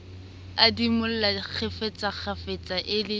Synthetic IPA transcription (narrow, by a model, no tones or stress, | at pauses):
adimʊl̩lak͡xʰefet͡sʼak͡xʰafet͡sʼaʔɪlɪ